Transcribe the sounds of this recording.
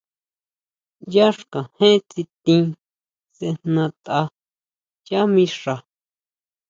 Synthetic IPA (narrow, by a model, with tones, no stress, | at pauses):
ja˦ʂkã˨hẽ˦t͡si˧t̪ĩ˧˦ | se˧nnã˧t̪a˧ | ja˦mĩ˧ʂa˨